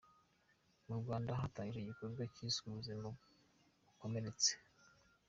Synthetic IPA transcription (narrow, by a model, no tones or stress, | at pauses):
muɾɡaːndaɦataɲiʒeɟikoɾɡacisuuuzimo | ukome̞ɾe̞t͡se̥